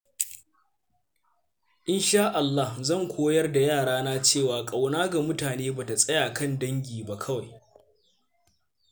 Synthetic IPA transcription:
ʔɪ˦nʃaː˦ʔa˨lːa˦hzɐ˦˨ŋkʷʰoː˦jɐ˦rda˨jaː˦˨ɽaː˦naː˦t͡ʃeː˦˨waː˨kʼa˨wnaː˦ɡa˨mʊ˦taː˨neː˦ba˨ta˨sʼɐ˦jaː˨kɐ˦˨ndɐ˦ŋɡʲiː˨ba˦kʰɐ˦wa˨j

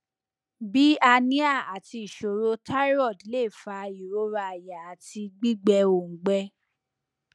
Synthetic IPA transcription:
bi˦a˧nĩ˦a˦˨a˨ti˧i˨ʃo˨ɾo˧˦ta˦ɾɔ˦˨di˨˦le˦˨fa˧i˨ɾo˨˦ɾa˧a˨ja˨a˨ti˧ɡ͡bi˦ɡ͡bɛ˧˦o˨ŋ̩˨ɡ͡bɛ˦

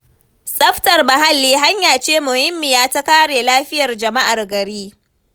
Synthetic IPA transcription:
sʼɐ˦ɸtɐ˨rbɐ˨ɦa˦lːiː˦ɦa˦ɲjaː˨t͡ʃeː˦mʊ˨hɪ˦mːɪ˨jaː˦ta˦kaː˦ɽeː˨laː˦ɸɪ˦jɐ˨rd͡ʒɐ˨ma˦ʔa˨rɡɐ˨ɽiː˦

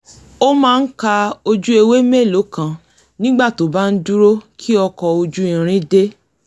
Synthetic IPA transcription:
o˦mãː˦˧n̩˦ka˧o˧d͡ʒu˦e˧we˦me˦˨lo˨˦kã˨ | nĩ˦ɡ͡ba˦˨to˨˦˨ba˦n̩˦du˦ɾo˦kʰi˦ɔ˧kɔ˧o˧d͡ʒu˦˨ĩ˨ɾ̃ĩ˦de˦

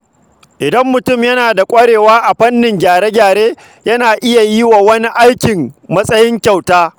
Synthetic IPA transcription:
ʔɪ˨dɐ˦mːʊ˨tʊ˦˨mjɐ˦naː˨da˨kʷʼɐ˦ɽeː˨waː˦ʔa˨ɸɐ˦nːɪ˨ŋɡʲaː˨ɽeː˦ɡʲaː˨ɽeː˦ | jɐ˦naː˨ʔɪ˦ja˨ji˦wa˨wɐ˦ni˦ʔa˦jkʲɪ˨mmɐ˦sʼɐ˦jɪ˦ŋkʲa˨wtaː˦

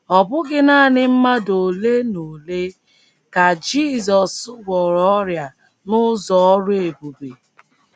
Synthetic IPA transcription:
ɔ˨bʊ˦ɡɪ˦naː˦˨nɪ˦m̩˦ma˦do˨le˦no˨le˦ | ka˨d͡ʒi˦˨zɔ˨sʊ˦ɡʷɔ˨ɾɔ˦ɾja˨ | nʊ˦zɔ˨ɔ˦ɾʊ˦e˨bu˨be˨

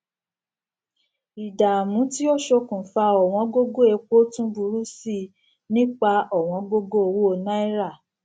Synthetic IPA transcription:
i˨da˨mũ˨˦ti˦o˦ʃo˧kũ˨fa˧ɔ˨w̃ɔ̃˨˧˦ɡo˦ɡo˦e˨˧k͡po˦tũ˦bu˧ɾu˦si˦˨ | nĩ˦k͡pa˧ɔ˦˨w̃ɔ̃˧˦ɡo˦ɡo˦o˧wo˦o˨˧˨nã˦i˦ɾa˦˨

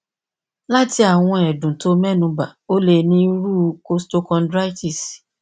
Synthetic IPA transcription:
la˦ti˧a˦˨w̃ɔ̃˧ɛ˨dũ˨to˨˦mɛ˦nũ˧ba˨o˦le˧nĩ˦ɾu˦ko˦sto˧˦kɔ̃˧ndɾa˦jti˦˨s

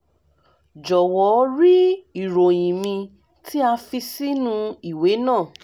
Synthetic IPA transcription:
d͡ʒɔ˨wɔ˨˦ɾi˦i˨ɾõ˨j̃ĩ˨mĩ˧ | ti˦a˧fi˧si˦nũ˧i˨we˨˦nãː˦˨

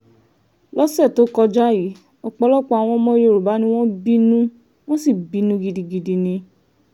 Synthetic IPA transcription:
lɔ˦sɛ˦˨to˦kɔ˧d͡ʒa˦ji˨˦ | ɔ˧k͡pɔ˧lɔ˦k͡pɔ˧a˨w̃ɔ̃˧˦mɔ̃˦je˦˨ɾo˨ba˨˦nĩ˧˦w̃ɔ̃˦bi˦nũ˦ | w̃ɔ̃˦si˦˨bi˨˦nũ˦ɡi˧di˧ɡi˧di˧nĩ˧

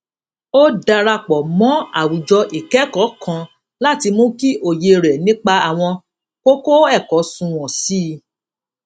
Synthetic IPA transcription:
o˦da˧ɾa˧k͡pɔ˨mɔ̃˨˦a̰˨wu˨d͡ʒɔ˧ʔi˨kɛ˨˦kɔ˨˦kʰã˨˦ | la˦˨ti˧mũ˦ki˦ʔo˦˨je˧ɾɛ˨nĩ˨˦k͡pa˧a˨w̃ɔ̃˧ | ko˦ko˦ɛ˦˨kɔ˨˦sũ˧w̃ɔ̃˨si˦˧

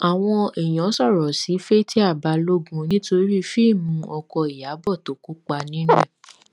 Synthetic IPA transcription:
a˨w̃ɔ̃˧ɛ˨j̃ɔ̃˨˦sɔ˦˨ɾɔ˨si˨˦fe˦ti˦a˦˨ba˧lo˦ɡũ˦nĩ˦to˧ɾi˦ɾi˦fi˦˨mũ˧˦ʔɔ˧kɔ˧i˨ja˨˦bɔ˦˨to˨ku˨˦k͡pa˧nĩ˦nɛ̰̃˦˨

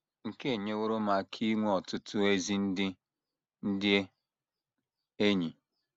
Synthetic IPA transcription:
ŋ̩˨ke˦e˨ɲe˦wʊ˦ɾʊ˦ma˨kʰi˦ŋʷ˦ɔ˨tʊ˦tʊ˦e˦zi˦n̩˦dɪ˦ | n̩˦dɪ˦e˦ | e˦ɲi˨

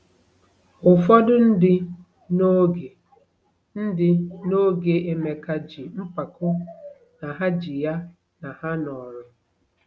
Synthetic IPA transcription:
ʊ˨fɔ˦dʊ˦n̩˦dɪ˦ | no˦ɡe˨ | n̩˦dɪ˦no˦ɡe˨ʔe˦me˨ka˨d͡ʒi˨m̩˦pa˨kʊ˦ | na˨ɦa˦d͡ʒi˨ja˦ | na˨ha˦nɔ˨ɾʊ˨

